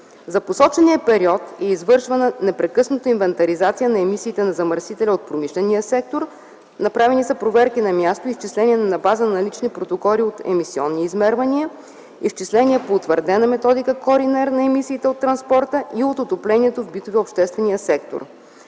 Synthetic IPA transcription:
zɐposɔt͡ʃɛniəpɛɾiɔt̪ɛizvɤɾʃvɐnənɛpɾɛkɤsnot̪əinvɛnt̪ɐɾizat̪sijənɐɛmisiːt̪ɛnɐzɐməɾsit̪ɛlʲɛot̪̚pɾomiʃlɛnijəsɛk̚t̪oɾ | nɐpɾavɛnisɐpɾovɛɾkinɐmʲjast̪oift͡ʃislɛniɛnɐnɐbazənɐlit͡ʃnipɾot̪okɔliot̪ɛ̰misiɔ̰nːiizmɛɾvɐniə | ift͡ʃislɛniɛpoːt̪vəɾd̪ɛnɐmɛt̪ɔd̪ikəkoɾinɛɾnɐɛmisiːt̪ɛot̪ːɾɐnspɔɾt̪əʔiot̪ot̪oplɛniɛt̪ovbit̪ovɛopʃt̪ɛst̪vɛnijəsɛk̚t̪o̰ɾ

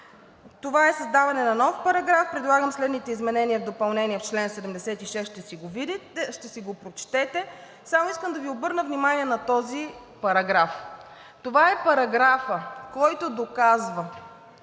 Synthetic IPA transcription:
t̪ovaɛsɐzd̪avɐnɛnɐnɔfpɐɾɐɡɾafpɾɛd̪lˠaɡəmslɛd̪nit̪ɛizmɛnɛniɛvd̪opɐlˠnɛniɛft͡ʃlɛnsɛd̪ɛmd̪ɛsɛt̪iʃɛsʃt̪ɛsiɡovid̪iʃt̪ɛsiɡopɾot͡ʃt̪ɛt̪ɛ | samoiskəmd̪ɐviobɤɾnəvnimaniɛnɐt̪ɔzi | pɐɾɐɡɾaf | t̪ovaɛpɐɾɐɡɾafəkɔjt̪od̪okazvə

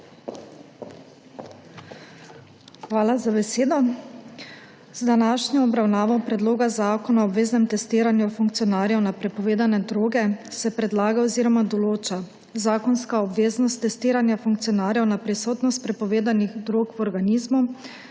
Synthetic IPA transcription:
xʋaːlazabɛseːd̪ɔ | zd̪anaːʃnɔɔbɾawnaːʋɔpɾɛd̪loːɡazaːkɔnaɔbʋeːznɛmt̪ɛst̪iːɾanjufuŋkt̪sijɔnaːɾjɛwnapɾɛpɔʋeːd̪anɛd̪ɾoːɡɛsɛpɾɛd̪laːɡaɔziːɾɔmad̪ɔloːt͡ʃa | zaːkɔnskaɔbʋeːznɔst̪ːɛst̪iːɾanjafuŋkt̪siɔnaːɾjɛwnapɾisoːt̪nɔst̪̚pɾɛpɔʋeːd̪aniɣd̪ɾoːkwɔɾɡaniːzmu

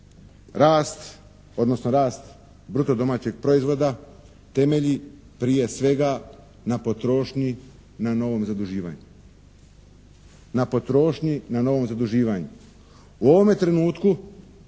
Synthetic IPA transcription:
ɾaːst̪ | o̞d̪no̞snoɾaːst̪ | bɾut̪o̞d̪o̞maːt͡ɕe̞ɡ̚pɾo̞izʋo̞d̪a | t̪e̞me̞ʎi | pɾije̞sʋe̞ɡa | napo̞t̪ɾo̞ːʃɲi | nano̞ʋo̞mzad̪uʒiːʋa̰ɲu | napo̞t̪ɾo̞ːʃɲinano̞ʋo̞mzad̪uʒiːʋaɲu | uo̞ʋo̞me̞t̪ɾe̞nuːt̪ku

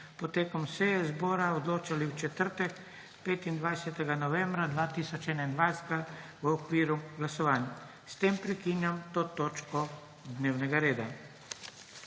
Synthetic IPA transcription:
pɔt̪eːkɔmsɛjɛzbɔːɾaɔd̪loːt͡ʃaliwt͡ʃɛt̪əɾt̪ɛk | peːt̪ind̪ʋajsɛt̪ɛɡanɔʋɛ̃mbɾad̪ʋaːt̪iːsɔt͡ʃɛːnaind̪ʋajsɛɡaʋəɔkʋiːɾuɡlasɔʋaːnja | st̪empɾɛkinjamt̪oːt̪oːt͡ʃkɔ | d̪neːwnɛɡaɾeːd̪a

